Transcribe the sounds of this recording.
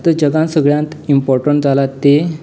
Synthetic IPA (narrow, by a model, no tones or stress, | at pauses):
t̪əd͡ʑəɡãnsəɡɭjãnt̪impɔɾʈəɳʈ̚d͡zalat̪ːe